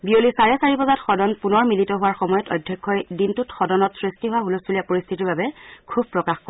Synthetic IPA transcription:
biolisaɹɛsaɹipɔzatxɔdɔnpunɔɹmilitɔɦʊwaɹxɔmɔjɔtɔjdʱːjɔkʰːɔjdintutxɔdɔnɔtsɹistiɦʊwaɦulɔstʰuliapoɹist̪ʰitiɹbabɛkʰub̚pɹɔkaxkɔ

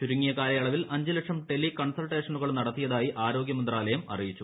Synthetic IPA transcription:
t͡ɕuɾuŋːijɐkaːlɐjɐɭɐʋilʔɐɲd͡ʑilɐkʂɐmɖe̞lːikɐɳsɐlʈe̞ːʂɐnuɣɐɭnɐɽɐt̪ːijɐðaːjiʔaːɾo̞ːɡjɐmɐnd̪raːlɐjɐmɐ̰rijit͡ɕːu

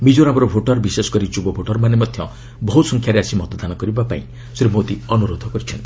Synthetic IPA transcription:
mid͡ʒoɾabɔɾɔbʱoʈɔɾbisesɔ̥kɔɾit͡ʃubɔbʱoʈɔɾmanemɔd̪ʱjɔ | bɔɦusɔŋkʰjaɾeasimɔt̪ɔd̪anɔkɔɾibapa̰ĩ | sɾimod̪iɔnuɾod̪ʱɔkɔɾit͡ʃʰɔnt̪i̥

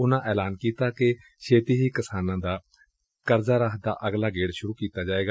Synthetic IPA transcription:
ʊnãːʔɛːlaːnkiːt̪aːke | ʃʰeːt̪iːɦiːkəsaːnãːd̪aː | kəɾzaːɾaːɦd̪a̰ːʔəɡlaːɡeːɽʃʊɾuːkiːt̪aːd͡ʒaːeːɡaː

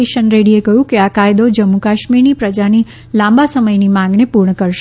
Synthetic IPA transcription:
eʃənɾeɽiekəɦjũkeakajd̪od͡ʒəmːukaʃmiɾnipɾəd͡ʒani | lãmbasəməjnimãŋɡnepuɾɳəkəɾʃe

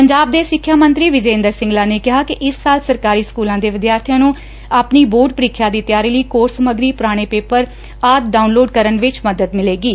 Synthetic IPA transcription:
pəɲd͡ʒaːb̚d̪eːsɪkʰːjaːmə̃nt̪ɾiːʋɪd͡ʒẽːnd̪əɾsɪ̃ŋɡlaːneːkɪɦaːkɪʔɪsːaːlsəɾkaːɾiːskuːlãːd̪eːʋɪd̪jaːɾt̪ʰijãːnũː | aːpniːboːɖ̚pəɾiːkʰːjaːd̪iːt̪jaːɾiːləiːkoːɾsəməɡɾiːpʊɾaːɽ̃eːpeːpəɾ | aːd̪̚ɖaːunloːɖkəɾənʋɪt͡ʃməd̪əd̪mɪleːɡiː

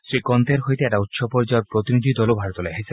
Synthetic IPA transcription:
sɾikɔnt̪eɾɦojt̪eɛʈaut̪ːʃɔpɔɾd͡ʒaaɾpɾot̪inid̪ʱid̪ɔlobʱaɽɔt̪ɔleaɦise

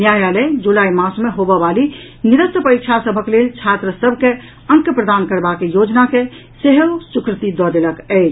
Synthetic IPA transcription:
njajaled͡ʒulaimãsmeɦobəbali | niɾət̪əpəɾik̚t͡ʃʰasəbʱəklelt͡ʃʰat̪ɾəsəbʱke | ə̃ŋkjəpɾəd̪ankəɾbakejod͡ʒnake | seɦəsukɾət̪id̪ɔd̪eləkəɪt͡ʃʰ

